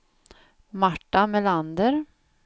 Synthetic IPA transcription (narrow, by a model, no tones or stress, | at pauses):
maʈːamɛland̪əɾ